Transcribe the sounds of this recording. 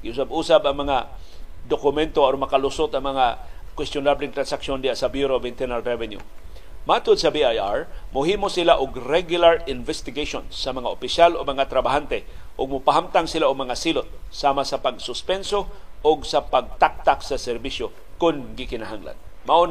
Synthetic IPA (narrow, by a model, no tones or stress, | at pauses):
ɡɪʔʊsabuːsabɐŋmɐŋa | d̪okʊmɛnt̪oaɾmɐkalʊsʊt̪ɐŋmɐŋa | kwɛst̪jʊnablɪŋt̪ɾansakʃjond̪ɪjasabjuɾobɪnt̪ɛɾnalːɛvɛnjṵ | mat̪ʊd̪sɐbiajaɹmʊɦiːmosɪlaʔʊɡɾɛɡjʊlaɾɪnvɛst̪ɪɡeʃonsɐmɐŋaʔʊpɪsjalʊɡ̚mɐŋat̪ɾabaɦant̪ɛʔʊɡ̚mʊpaɦamt̪aŋsɪlaʊɡ̚mɐŋasilʊt̪̚saːmasapaɡsʊspɛnsoʔʊɡsapaɡ̚t̪ak̚t̪aksasɛɾbisjo | kʊnɡɪkɪnaɦaŋla̰nmaʔon